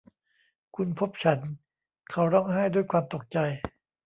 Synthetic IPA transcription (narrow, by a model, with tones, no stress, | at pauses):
kʰu˧npʰo˦˥p̚t͡ɕʰa˦˥n | kʰa˨˦˥wɾɔ˥˩ŋɦa˥˩jdu˥˩əjkʰwaː˧mt̪o˨˩k̚t͡ɕa˧j